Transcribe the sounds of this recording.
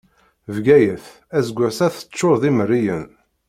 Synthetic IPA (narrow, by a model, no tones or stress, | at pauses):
vɡæjəθ | æzɡʷːæsæθə̥t͡sːoðimərːijən